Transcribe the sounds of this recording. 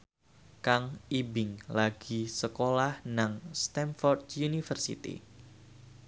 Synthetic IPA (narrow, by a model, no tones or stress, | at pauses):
kaŋibɪŋlaɡ̥isəkolahnaŋst̪ɛmfɔrd̪junifərsḭt̪ḭ